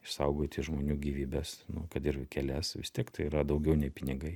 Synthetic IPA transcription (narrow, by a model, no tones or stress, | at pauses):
ɪʃsɐʊɡoːt̪ʲɪʒmoːnʲuːɡʲiːʋʲiːbʲɛsnʊkɐt̪ɪɾkʲɛlʲɛsʋʲɪst̪ʲiɛkt̪ɐɪiɾɐd̪ɐʊɡʲɛʊnʲɛɪpʲɪnʲɪɡɐɪ